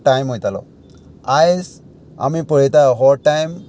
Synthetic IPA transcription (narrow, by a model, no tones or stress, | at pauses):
ʈajmɦojtalɔ̰̃ | ajs | a̰mipəɹitajɔɦɔɹʈajm